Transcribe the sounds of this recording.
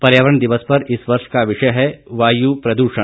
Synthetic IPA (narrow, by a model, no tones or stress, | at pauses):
pɐɾjaːʋəɾəɳd̪ɪʋəspɐɾɪsʋɐɾʃkaʋɪʃɐjɦɛʋaːjupɾɐd̪uːʃə̃